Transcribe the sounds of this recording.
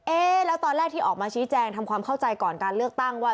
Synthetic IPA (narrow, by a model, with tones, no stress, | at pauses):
ʔeː˧˩lɛ˦˥wt̪ɔː˧nlɾɛː˥˩k̚t̪ʰiː˥˩ʔɔː˨˩k̚maː˧t͡ɕʰiː˦˥t͡ɕɛː˧ŋt̪ʰa˧mkʰwaː˧mkʰa˥˩wt͡ɕa˧jkɔː˨˩nkaː˧nlɯ˥˩ək̚t̪a˥˩ŋwaː˥˩